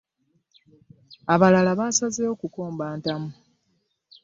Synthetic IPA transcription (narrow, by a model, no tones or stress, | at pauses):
aβalalaβaːsazeo̞ːkuko̞ːmbaːntamu